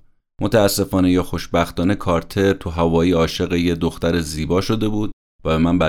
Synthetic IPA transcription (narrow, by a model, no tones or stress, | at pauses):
mʔot̪ʰæːsːe̞fɒːnejɛxo̞ʃbæxt̪ɒːne̞kʰɒːɾt̪ʰe̞ɾt̪ʰuɦævɒːjiːɒːʃe̞ɣejed̪oxt̪æɾeziːbɒːʃo̞d̪e̞buːd̪̥̚ | væbe̞mænbæ